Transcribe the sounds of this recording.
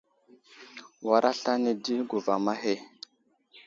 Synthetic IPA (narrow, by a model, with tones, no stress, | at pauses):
wa˨ɾa˦ɬa˦ne˨di˦ɡu˨va˨ma˦ɦe˦